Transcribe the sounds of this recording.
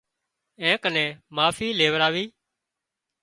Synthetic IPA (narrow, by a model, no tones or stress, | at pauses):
ɛ̃ːkənẽːmaːfiːleːʋəɾaːʋiː